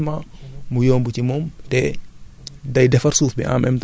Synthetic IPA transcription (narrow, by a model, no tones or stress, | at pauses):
mamujɔːmbucimɔmtɛ | dɐjdɛfɐɾsuːfbiʔa̰mʔɛmt